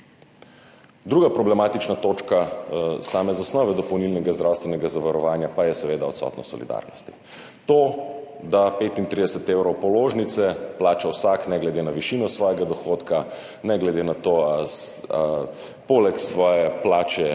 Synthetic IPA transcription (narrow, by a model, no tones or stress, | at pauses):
d̪ɾuːɡapɾɔblɛmaːt̪it͡ʃnat̪oːt͡ʃkasaːmɛzasnɔːʋɛd̪ɔpɔwnilnɛɡazd̪ɾawst̪ʋɛnɛɡazaʋaɾɔʋaːnjapajɛsɛʋeːd̪aɔt̪sɔ̰ːt̪nɔ̰sɔ̰lḭd̪a̰ɾnɔ̰st̪i̥ | t̪o | d̪apeːt̪int̪ɾid̪ɛsɛt̪ewɾɔwpɔloʒnit̪sɛplaːt͡ʃawsaknɛɡlɛd̪enaʋiʃinɔsʋɔjɛɡad̪ɔxoːt̪ka | nɛɡlɛd̪enat̪oa | polɛksʋɔːjɛplaːt͡ʃɛ